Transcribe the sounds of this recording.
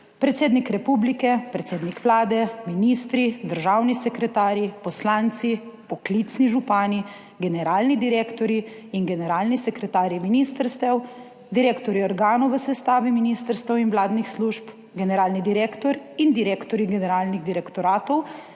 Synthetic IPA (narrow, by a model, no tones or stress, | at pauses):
pɾɛt̪seːd̪nikɾɛpublikɛpɾɛt̪seːd̪nikʋlaːd̪ɛminist̪ɾid̪əɾʒaːwnisɛkɾɛt̪aːɾjipɔslaːnt̪sipɔklit̪sniʒupaːni | ɡɛnɛɾaːlnid̪iɾeːkt̪ɔɾiː | nɡɛnɛɾaːlnisɛkɾɛt̪aːɾiminist̪əɾst̪ɛw | d̪iɾeːkt̪ɔɾiɔɾɡaːnɔwʋəsɛst̪aːʋiminiːst̪əɾst̪ɛwinʋlaːd̪nixsluːʃp | ɡɛnɛɾaːlnid̪iɾeːkt̪ɔɾind̪iɾeːkt̪ɔɾiɡɛnɛɾaːlniɣd̪iɾɛkt̪ɔɾaːt̪ɔw